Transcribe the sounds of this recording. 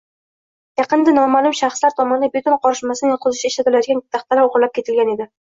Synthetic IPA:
jɑqɨnd̪anɒmalˠʊmʃaχslaɾt̪ʰɒmɒnd̪abɪt̪ʊnqʰɒɾɪʃmasɪnɪqʰʊzɪʃaɪʃlat̪ɪlajd̪ɪɡʲant̪ʰaχt̪ʰalawoʁɾlap̚kʲʰe̞t̪ʰɪlɡʲane̞d̪ɪ

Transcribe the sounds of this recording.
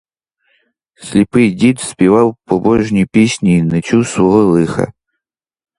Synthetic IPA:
sʲlʲɪpɨjdʲit̪spʲivɑwpɔbɔʐnʲijpʲesʲnʲiːnɐt͡ɕuswɔɦɔlˠɨxɐ̰

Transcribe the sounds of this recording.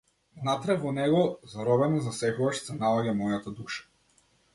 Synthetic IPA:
vnat̪ɾɛvɔnɛɡɔzaɾɔbɛnazasɛkɔvaʃsɛnaɔɟamɔjat̪ad̪uʃḁ

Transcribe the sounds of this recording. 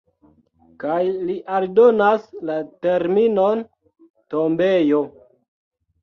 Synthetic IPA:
kajliʔaldo̞naslateɾmino̞n | to̞mbe̞jo̞

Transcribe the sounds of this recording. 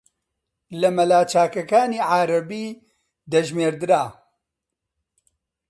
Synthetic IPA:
lɐmɐlaːt͡ʃaːkɐkaːniːʕaːɾɐbiː | d̪ɐʒmeːɾd̪ɨɾaː

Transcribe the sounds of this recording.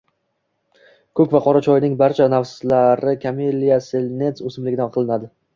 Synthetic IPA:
kʰɵkʲvaqʰɒɾat͡ʃʰɒjnɪŋbaɾt͡ʃʰanafslaɾɪkʰamelːijaselne̞nsɵsɪmlɪɡʲɪd̪anqʰɨlˠɪnad̪ɪ

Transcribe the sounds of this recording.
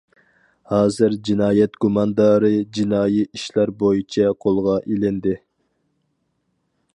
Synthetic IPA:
hɑːzɨɾd͡ʒinɑːjɛt̪ɡ̥umɑnd̪ɑɾɨd͡ʒinɑːjiiʃlæɾbojit͡ʃʰɛqʰolˠʁɑʔilɪnd̪ɪ

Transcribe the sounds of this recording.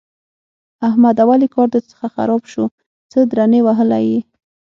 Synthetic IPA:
ahmad̪awalikɑɾd̪ət͡sə̥xaxa̰ɾɑbʃu | t͡səd̪ɾanewaɦəla̰ji

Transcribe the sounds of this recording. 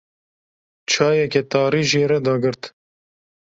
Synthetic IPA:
t͡ʃʰɑːjɛkɛt̪ɑːɾiːʒeːɾɛd̪ɑːɡɨɾt̪

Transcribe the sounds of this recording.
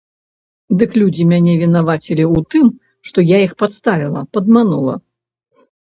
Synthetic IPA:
d̪ɨklʲud͡zʲimʲanʲɛvʲinavat͡sʲilʲiut̪ɨm | ʂt̪ɔjaixpat̪st̪avʲilˠɐpɐd̪manulˠɐ̰

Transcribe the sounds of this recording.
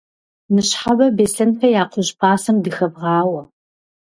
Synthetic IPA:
nɨɕħabɐbeːsɐnpʰɐjaːqʷʊʑpʰaːsɐɨmdɨxɐbʁɑːwɐ

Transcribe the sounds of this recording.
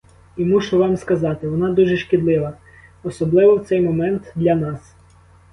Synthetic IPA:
imuʃʊʋɑmskɐzɑt̪ɪʋɔnɑd̪uʒɛʃkʲid̪lˠɪʋɐ | ɔsɔblˠɪʋɔwt̪sɛjmɔmɛnt̪d̪lʲɐnɑs

